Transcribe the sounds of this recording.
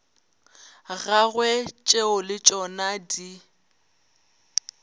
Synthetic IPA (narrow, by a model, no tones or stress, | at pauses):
ɣaɣwɛt͡ʃʼeʊlɪt͡ʃʼɔnadi